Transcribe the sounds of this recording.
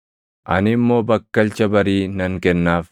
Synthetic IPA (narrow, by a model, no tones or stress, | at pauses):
ʔɐnɪmːo̞ːbɐkːɐlt͡ʃɐbɐɾiːnɐŋkɛnːaːf